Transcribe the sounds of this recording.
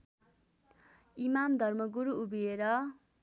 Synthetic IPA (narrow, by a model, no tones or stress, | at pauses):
imamd̪ʱʌrmʌɡuɾuubieɾʌ